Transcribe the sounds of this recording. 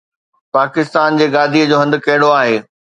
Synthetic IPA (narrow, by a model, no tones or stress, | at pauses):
paːkɪst̪aːnd͡ʑeːɡaːd̪ʱiəd͡ʑoːɦɐ̃nd̪kɐɦɪɽoaːɦeː